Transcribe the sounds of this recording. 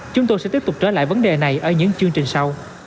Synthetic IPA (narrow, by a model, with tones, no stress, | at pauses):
t͡ɕʊ˨˦ŋ͡mt̪o˧jsɛ̰˧˥i˦˥p̚tʊ˨˩k͡p̚t͡ɕəː˧˩la̰ː˧˨jvə˨˦nɗe˨˩na˨˩jʔəː˧˩ɲɨ̰˧˥ŋt͡ɕɨ˧əŋt͡ɕï˨˩ŋ̟sa˧w